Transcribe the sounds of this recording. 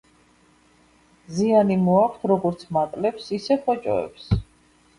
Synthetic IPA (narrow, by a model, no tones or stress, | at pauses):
zianimɔakʰt̪ʰɾɔɡɔɾt̪sʰmat̪ʼlɛpsisɛχɔt͡ʃʼɔ̰ɛ̰ps